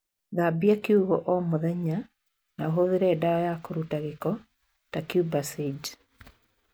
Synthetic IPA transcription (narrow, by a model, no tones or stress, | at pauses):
ðabiakiuɣɔʔɔmoðɛɲa | naɦoðeɾɛːdaɔjakoɾutaɣekɔ | takjubasid͡ʒ